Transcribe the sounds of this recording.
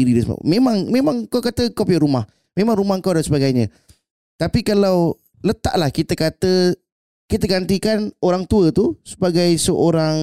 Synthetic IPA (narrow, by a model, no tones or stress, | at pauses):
iɾidansəma̰mẽmãŋmẽmaŋkawkat̪əkop̬iaɾumah | mẽmaŋɾumahkawdansəbaɡajɲə̃ | t̪apikalaw | lət̪a̰ʔlahkit̪əkat̪ə | kit̪əɡant̪ikanoɾaŋt̪uət̪usə̥baɡajsəʔoɾaŋ